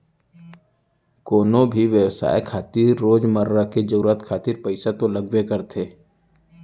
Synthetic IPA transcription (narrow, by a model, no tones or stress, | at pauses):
koːnõbʱiʋjəwsa̰ːekʰaːt̪iːɾːoːd͡ʒməɾːaked͡ʒəɾuːɾət̪kʰaːt̪iːɾpəɪsat̪oləɡʋekəɾt̪ʰeː